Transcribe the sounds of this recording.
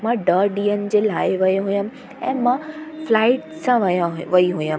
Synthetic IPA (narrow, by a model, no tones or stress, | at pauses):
mãɖəɾɖiːənɪ̆d͡ʑeːlaːɪʋɐjeɦujəmɪ̆ | ɛ̃ːmãflaːɪʈsãʋɐjʋɐiɦujəm